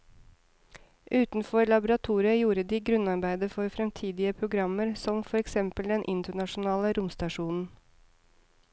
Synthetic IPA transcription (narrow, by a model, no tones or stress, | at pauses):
ʔʉːt̪n̩fɔɾɭɑbʊɾɑt̪ʰuːɾɪəjuːɾəd̪iːɡɾʉnɑɾbæɪd̪əfɔɾfɾɛmt̪ʰiːd̪ɪəpʰɾʊɡɾɑmːəɾsɔmfɔɾɛksɛmpəld̪ɛnʔɪnt̪əɳɑʂʊnɑːləɾʊmst̪ɑʂuːnn̩